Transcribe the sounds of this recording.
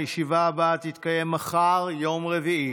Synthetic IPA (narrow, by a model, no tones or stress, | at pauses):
jeʃivaːbaːt̪it̪kaje̞mːaχaʁjo̞mʁeviʔi